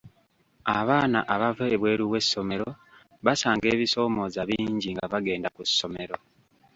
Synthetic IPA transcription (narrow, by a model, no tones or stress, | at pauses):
aβaːna̰ʔaβaveːβwe̞ːɾiwe̞sːo̞me̞ɾo̞ | βasaːŋɡe̞ːβiso̞ːmo̞zaβiːɲɟiŋɡaβaɡe̞ːndakusːo̞me̞ɾo̞